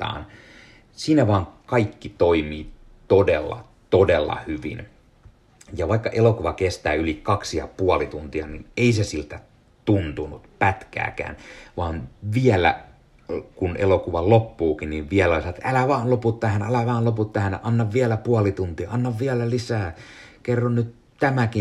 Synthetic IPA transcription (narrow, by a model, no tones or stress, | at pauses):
ɑ̰ːn | siːnæʋɑːŋkɑikːit̪oimiː | t̪odelːɑ̰ | t̪odelːɑ̰hyʋḭn | jɑʋɑikːɑʔelokuʋɑkest̪æ̰ːylikɑksijɑ̰puɑlit̪unt̪iɑnineisesilt̪æ | t̪unt̪unut̪pæt̪kæ̰ːkæ̰ːnʋɑːnʋiɛlæ̰ | kunḛlokuʋɑlopːuːkinniʋʋiælolesɑt̪ʔælæʋɑːnloput̪ːæhænælæʋɑːnloput̪ːæhænʔɑnːɑʋʋiælæpuɑlit̪unt̪iɑɑnːɑʋʋiɛlælisæːkerːonnyt̪ | t̪æmæki